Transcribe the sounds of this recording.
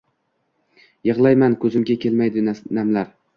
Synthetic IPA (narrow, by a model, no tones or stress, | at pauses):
jɨʁlˠajmankʰɵzɪmɡʲakʲʰelmajd̪ɪnamlaɾ